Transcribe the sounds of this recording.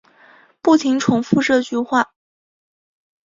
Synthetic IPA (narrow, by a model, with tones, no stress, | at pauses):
pu˥˩t̪ʰi˧˥ŋʈ͡ʂʰʊ˧˥ŋfu˥˧ʈ͡ʂɤ˥˧t͡ɕy˥˧xwa˥˩